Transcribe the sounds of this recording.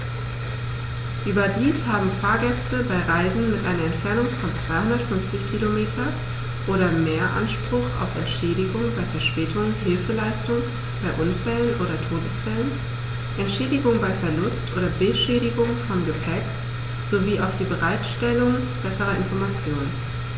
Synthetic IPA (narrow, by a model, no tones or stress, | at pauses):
ʔyːbɐdiːshaːbm̩faːɐɡɛstəbaɪʁaɪzn̩mɪtʔaɪnɐɛntfɛɐnʊŋfɔnt͡sv̥aɪhʊndɐtfʏnft͡sɪçkʰilomeːtʰɐ | ʔoːɾɐmeːɐʔa̰nʃpʁ̥ʊχa̰ʊfɛ̰ntʃɛːdɪɡʊŋbaɪfɛɐʃpɛːtʰʊŋɦɪlfəlaɪstʊŋ | b̥aɪʔʊnfɛlənʔoːɾɐtʰoːdəsfɛlən | ʔɛntʃɛːdɪɡʊŋbaɪfɛɐlʊstʔoːɾɐbɪlʃɛːɾɪɡʊŋfɔmɡəpʰɛk | z̥oviːaʊfd̥iːbəʁaɪtʃtɛlʊŋ | b̥ɛsəʁɐɪnfɔɐmat͡sjoːnən